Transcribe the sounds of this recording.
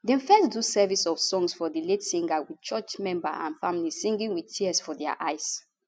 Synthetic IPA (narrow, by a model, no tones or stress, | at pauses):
dɛ̃nfɛsdusɛvisɔfsɔ̃ŋsfɔdiletsĩŋɡawidt͡ʃɜt͡ʃmɛ̃mba̰ʔã̰nfamilisĩŋɡĩŋwidtʰiəsfɔdɛa̰ʔajs